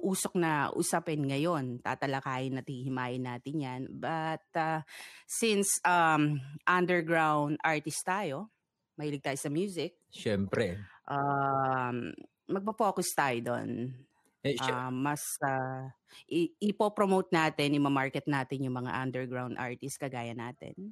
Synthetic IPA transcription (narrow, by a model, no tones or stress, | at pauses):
ʔuːsok̚nɐʔṵsapɛnŋɐjo̞nt̪a̰ːt̪ɐlɐkaːjɪnɐt̪̚hihɪmaːjɪnaːt̪ɪnjanbɐt̪̚asɪnsʔamʔɐnd̪ɛɹɡɹawnd̪ʔaɹt̪ɪst̪aːjo̞ | mɐhiːlɪɡ̚t̪aːjosɐmjuːsɪk̚ʃɛmpɾɛʔa | m | mɐɡ̚pɐfo̞ːkʊst̪aːjod̪o̰n | ʔamɐsa | ʔɪʔɪpopɾomowt̪̚naːt̪ɛnjʊŋmɐamaɹkɛt̪̚naːt̪ɪnjʊŋmɐŋa̰ʔɐnd̪ɛɹɡɹawnd̪ʔa̰ɹt̪ɪst̪̚kɐɡaːjɐnaːt̪ɛ̰n